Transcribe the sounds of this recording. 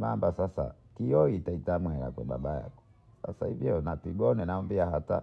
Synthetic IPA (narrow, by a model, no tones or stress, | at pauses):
mambasasa̰kiɔitaitamwɛɾa̰kwɛ̰ɓa̰ɓaja̰kɔ̥ | sa̰sahivjɔnatiɡɔnɛnaɔmbiahata̰